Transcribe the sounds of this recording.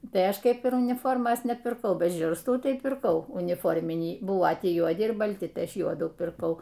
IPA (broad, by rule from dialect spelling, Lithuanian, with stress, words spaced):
ˈtɐɪ ˈɐʃ ˈkʲɛɪp ɪr ʊnʲɪˈfoːrmoːs nʲɛpʲɪrˈkɐʊ ˈbʲɛt ˈʒʲʊrstuː ˈtɐɪ pʲɪrˈkɐʊ ʊnʲɪˈfoːrʲmʲɪnʲiː ˈbʊʋoː ˈtʲiː juɔˈdʲɪ ɪr bɐlʲˈtʲɪ ˈtɐɪ ˈɐʃ ˈjuɔduː pʲɪrˈkɐʊ